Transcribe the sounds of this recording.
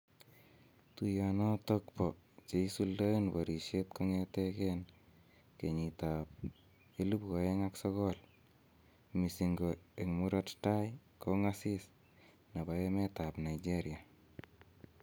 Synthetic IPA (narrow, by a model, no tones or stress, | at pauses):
tujanɔtɔkpɔ | t͡ʃeisuldoenboɾiʃet̪̚koŋeteken | keɲitap̚ | elupkoeŋaksɔkɔl | misiŋɡoeŋmuɾɔttajkoŋasis | nabaemɛtapnaid͡ʒeɾia